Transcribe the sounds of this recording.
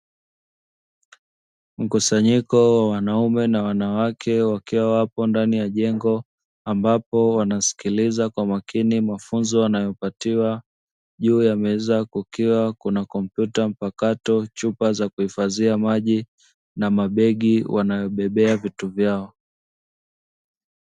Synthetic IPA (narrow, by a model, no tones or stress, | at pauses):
m̩kusaɲikɔwawanaumɛnawanawakʰɛwakʰiwawapɔndanijaʄɛŋɡɔ | ambapɔwanasi̥kilizakwamakinimafunzɔwanajɔpatiwa | ʄuːjamɛzakukiwakunakɔm̩pjutam̩pakatɔt͡ʃupazakuhifaziamaʄi | namaɓɛɠiwʔanajɔɓɛɓɛavituvjaɔ